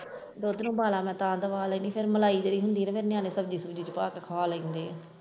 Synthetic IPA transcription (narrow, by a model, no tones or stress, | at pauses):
ɾoːd̪nũːbaːlaːmɛ̃ːt̪ãːnd̪əʋaːlaiːniːpʰɪɾməlaːiːd͡ʒ̪eɾiːɦʊnd̪iːnẽpʰɪɾnɪjãːneːsəbd͡ʒiːsəbd͡ʒiːt͡ʃəpaːkkʰaːlaĩːnd̪eːɛː